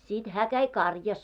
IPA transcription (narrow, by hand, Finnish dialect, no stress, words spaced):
sit hæː kæi kɑrjɑs